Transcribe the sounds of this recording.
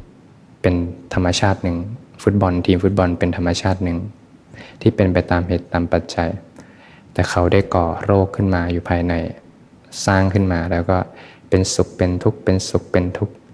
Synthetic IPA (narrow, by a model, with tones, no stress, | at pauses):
pe˧nt̪ʰa˧mːa˧t͡ɕʰaː˥˩t̪̚nɯ˨˩ŋfu˦˥t̪̚bɔ˧nt̪ʰiː˧mfu˦˥t̪̚bɔ˧npe˧nt̪ʰa˧mːa˧t͡ɕʰaː˥˩t̪̚nɯ˨˩ŋ | t̪ʰiː˥˩pe˧npa˧jt̪aː˧mhe˨˩t̪ːaː˧mpa˨˩t̪̚t͡ɕa˧j | t̪ɛː˨˩kʰa˦˥wda˥˩jkɔː˨˩ɾoː˥˩kʰːɯ˥˩nmaː˧juː˨˩pʰaː˧jna˧j | saː˥˩ŋkʰɯ˥˩nmaː˧lɛː˦˥wkɔː˥˩ | pe˧nsu˨˩k̚pe˧nt̪ʰu˦˥k̚pe˧nsu˨˩k̚pe˧nt̪ʰu˦˥k̚